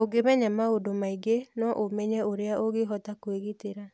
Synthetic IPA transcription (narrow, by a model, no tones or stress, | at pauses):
oɡemɛɲamaodomaiɡenɔʔomɛɲɛoɾeaʔoɣeɦɔtakweɣiteɾa